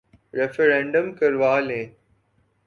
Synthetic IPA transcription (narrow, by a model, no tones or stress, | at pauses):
ɾɛfəɾɛ̃ːɳɖəmkɐɾʋaːlẽː